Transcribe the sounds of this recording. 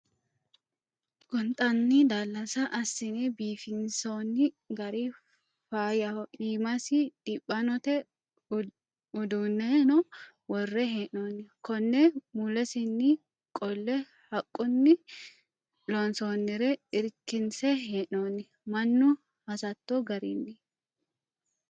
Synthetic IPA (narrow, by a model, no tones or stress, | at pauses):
kɔnt̪ʼɐnːɪd̪aːlːɐsɐʔɐsːɪnɛbiːfɪnsoːnːɪ | ɡɐɾi | faːjɐʔiːmɐsɪd̪ɪpʼːɐnɔt̪ɛ | ʊd̪uːnːɛnɔ | wɔrːɛɦeːʔoːnːɪkɔnːɛmulɛsɪnːɪ | kʼɔlːɛ | hɐkʼːʊnːɪ | lonsoːnːɪɾɛɪɾkːɪnsɛɦeːʔoːnːɪ | mɐnːʊ | hɐsɐt̪ːoɡɐɾinːɪ